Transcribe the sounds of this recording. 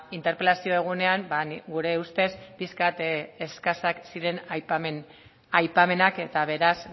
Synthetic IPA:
int̪e̞ɾpe̞lasio̞eɣ̞une̞aŋbanɡuɾe̞ust̪e̞spiskat̪eskasaksiɾe̞nn | ajpame̞nake̞t̪aβe̞ɾas

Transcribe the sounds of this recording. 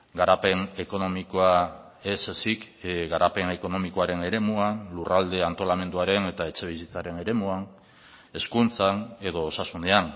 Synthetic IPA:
ɡaɾape̞ne̞ko̞no̞mikoa | e̞sesik | ɣaɾʔape̞ne̞ko̞no̞miko̞aɾe̞ne̞ɾe̞muanlurald̪e̞ant̪o̞lame̞nd̪uaɾe̞ne̞t̪ae̞t͡ʃe̞β̞is̬it͡saɾe̞ne̞ɾe̞muan | e̞skunt͡sane̞ðo̞ːsasund̪e̞an

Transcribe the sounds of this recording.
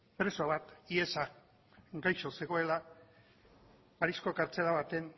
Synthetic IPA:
pɾe̞soaβat̪ie̞sa | ɡajʃo̞se̞ɣ̞o̞e̞la | paɾisko̞kaɾt͡se̞laβ̞at̪e̞n

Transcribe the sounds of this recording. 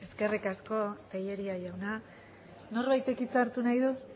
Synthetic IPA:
e̞ske̞rikasko̞t̪eje̞ɾiajawna | no̞rβajt̪e̞kit͡saɾt̪unajðu

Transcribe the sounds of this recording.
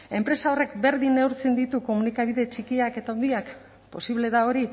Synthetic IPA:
e̞mpɾe̞sao̞re̞kbe̞ɾðine̞wɾt͡send̪it̪uko̞munikaβiðe̞t͡ʃikiake̞t̪aond̪iak | po̞siβle̞ðao̞ɾi

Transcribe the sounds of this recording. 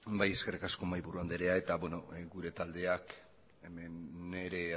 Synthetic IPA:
baje̞ske̞rikasko̞majβuɾuand̪e̞ɾe̞ae̞t̪abwe̞no̞ɡuɾe̞t̪ald̪e̞ak | emeneɾe̞

